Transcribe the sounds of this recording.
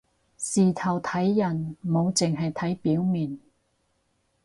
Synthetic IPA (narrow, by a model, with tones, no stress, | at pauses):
siː˨t̪ʰɐ˨˩wt̪ʰɐ˨˥jːɐ˨˩nmo˨˧wt͡sɪ˨ŋɦɐ˨jt̪ʰɐ˨˥jpiː˨˥wmiː˨˩n